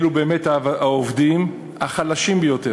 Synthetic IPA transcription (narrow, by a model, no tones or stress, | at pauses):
lubeːmetaaovdim | aχalaʃimbejo̞te